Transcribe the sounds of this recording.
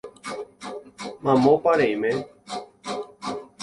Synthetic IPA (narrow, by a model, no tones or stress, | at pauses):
mãmopaɾeimẽ